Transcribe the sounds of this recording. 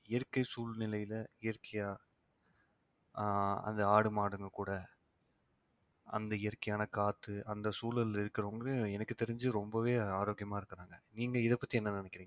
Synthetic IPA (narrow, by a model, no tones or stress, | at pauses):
ɪjɐɾkːɐɪsuːlnɪlɐjɪlɐɪjɐɾkɐjaː | ɐ̰nd̪ɐaːɽɯmaːɽɯŋɡɐkuːɽɐ | ɐ̰nd̪ɐɪjɐɾkːɐjaːnɐkaːt̪ːɯɐnd̪ɐsuːlɐlɪɾɯkːɪɾɐʋɐŋɡɐɾɯɛnɐkːɯt̪ːɛɾɪɲd͡ʒɯɾɔmbɐʋeːaːɾoːɡɪjɐmaːɪɾɯkːɐɾaːŋɡɐniːŋɡɐɪðɐpːɐt̪ːiɛnːɐnɪnɛkːɪɾiːŋɡɐ